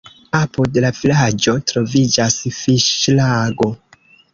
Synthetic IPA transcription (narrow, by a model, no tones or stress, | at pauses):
apudlavilad͡ʒo̞tɾo̞vid͡ʒasfiʃlaɡo̞